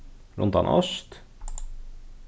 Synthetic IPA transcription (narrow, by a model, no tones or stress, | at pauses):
ɾʊ̰nt̪ɑ̰nʔœ̰st̪